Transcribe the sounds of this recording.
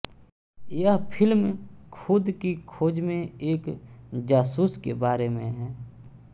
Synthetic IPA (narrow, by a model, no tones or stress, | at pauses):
jəɦpʰɪlmkʰʊd̪kikʰoːd͡ʒmẽeːkd͡ʒaːsuːskebaːɾemẽɦɛː